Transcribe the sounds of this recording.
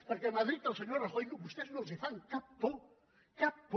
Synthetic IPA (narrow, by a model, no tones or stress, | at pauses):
poɾkeamaðɾit̪alseɲoɾaχojɣʊbost̪eznõsefaŋkapːo | kapː